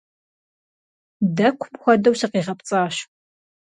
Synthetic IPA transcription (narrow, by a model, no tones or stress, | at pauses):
dɐkʷʰʊmxʷɔdɐwsɐqiːʁɐpt͡sʼaːɕ